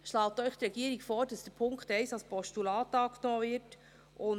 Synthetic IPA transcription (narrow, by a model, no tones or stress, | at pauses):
ʃlɑːtœʏχd̥əɾɛɡiəɾikfoːɾd̥ɑsd̥əɾpʰʊŋkχtɛɪsɑlspʰɔʃtulɑːtɑːknɔːvɪɾt | ʔʊn